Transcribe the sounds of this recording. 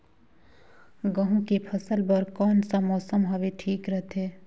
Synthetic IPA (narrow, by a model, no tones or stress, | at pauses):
ɡɐɦũkepʰɐsəlbəɾkɔːnsamɔːsəmɦɐʋeʈʰiːkɾəɦt̪ʰeː